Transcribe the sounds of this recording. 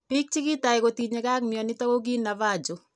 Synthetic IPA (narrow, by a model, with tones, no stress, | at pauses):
pi˦k̚t͡ʃi˦ki˦ta˨ikoti˨ɲeka˦kmjɔni˦tɔ˦ko˦k̬i˦navaː˦˨d͡ʒo˨